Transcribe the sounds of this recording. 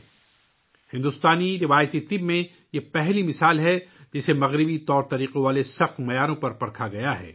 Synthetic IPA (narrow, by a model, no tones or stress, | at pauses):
hɪ̃nd̪ʊst̪aːniɾɪʋaːjət̪it̪ɪbmẽ | jepɛɦlimɪsaːlɦɛd͡ʒɪsemɐɣɾɪbit̪ɔːɾt̪ɐɾiːqeʋaːlesɐxt̪mɐjaːɾõpɐɾpɐɽkʰaɡɐjaɦɛ̰ː